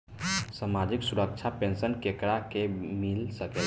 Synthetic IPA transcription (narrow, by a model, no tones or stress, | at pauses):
samad͡ʒiksuɾək̚t͡ʃʰapensənkekɾakemilsəkel